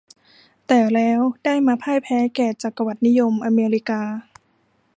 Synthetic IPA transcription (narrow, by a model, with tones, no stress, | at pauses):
t̪ɛː˨˩lɛː˦˥wdaː˥˩jmaː˧pʰaː˥˩jpʰɛː˦˥kɛː˨˩t͡ɕa˨˩kːa˧wa˨˩t̪̚ni˦˥jo˧mʔa˧meː˧ɾi˦˥kaː˧